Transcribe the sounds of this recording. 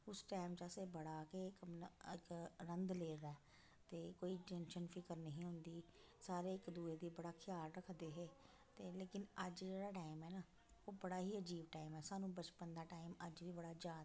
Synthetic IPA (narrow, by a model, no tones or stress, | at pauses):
ʊsʈaːɪmt͡ʃaːseːbəɽaːkekɪkɾənd̪leːd̪aːɛ | t̪eːkoːiːʈɛ̃nʃənfʰɪkəɾnəɦĩːɦʊnd̪iː | saːɾeːɪkd̪uːeːd̪iːbəɽaːkʰjaːlɾəkʰd̪eːɦeː | t̪eːleːkɪnəd͡ʒd͡ʒeːɽaːʈaːɪmɦɛːnaː | oːbəɽaːɦiːəd͡ʒiːbʈaːɪmɛːsaːnũːbət͡ʃpənd̪aːʈaːɪməd͡ʒʋiːbəɽaːd͡ʒaːd̪a